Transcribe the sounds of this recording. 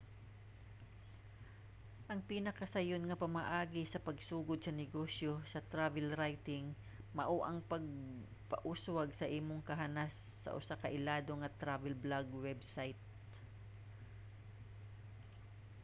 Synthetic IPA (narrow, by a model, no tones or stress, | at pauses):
ʔɐŋpinɐkɐsɐjonŋɐpɐmɐʔaːɡɪsɐpɐɡsuːɡod̪̚sɐnɪɡosjo̞sɐt̪ɾavɛlɾajt̪ɪŋ | mɐʔoʔɐŋpɐɡ̚ | pɐ̰ʔuswɐɡsɐʔiːmoŋkɐɦanasːɐ̰ʔʊsakɐʔɪlaːd̪o̞ŋɐt̪ɾavɛlblaɡwɛbsajt̪̚